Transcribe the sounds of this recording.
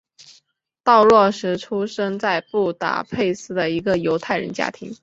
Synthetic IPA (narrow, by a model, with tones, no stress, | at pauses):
t̪ɑ˥˧ʊlwɔ˥˩ʂɻ̩˧˥ʈ͡ʂʰu˥ʂɤ˥ŋt͡sa˥˧ɪpu˥˩t̪a̰˨˥˩pʰe˥˩˧ɪsɹ̩˥d̪ə˨i˧˥ɡə˧jo˧˥ʊt̪ʰa˥˩ɪɻə̰˧˥nt͡ɕja̰˥t̪ʰḭ˧˥ŋ